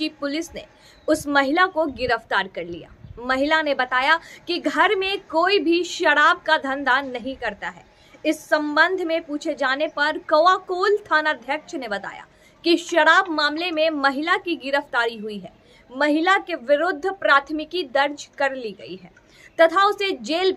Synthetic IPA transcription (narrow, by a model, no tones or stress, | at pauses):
t͡ʃipʊlɪsnḛ | ʊsmɐɦɪlakoɡɪɾəft̪aːɾkɐɾlḭja̰ːmɐɦɪlanebɐt̪aːjakiɡʱɐɾmẽkoːibʱiʃɐɽaːb̚kad̪ʱɐ̃nd̪anɐɦĩkɐɾt̪aɦɛ̰ː | ɪsːɐ̃mbə̃nd̪ʱmẽpuːt͡ʃʰed͡ʒaːnepɐɾkɐʋaːkoːlt̪ʰaːnad̪ʱjɐkʃnebɐt̪a̰ːja̰ː | kiʃɐɽaːbmaːmlemẽmɐɦɪlakiɡɪɾəft̪aːɾiɦʊiɦɛː | mɐɦɪlakeʋɪɾʊd̪ʱːpɾaːt̪ʰmɪkid̪ɐɾd͡ʒkɐɾliɡɐ̰ḭɦɛː | t̪ɐt̪ʰaʊsed͡ʒeːl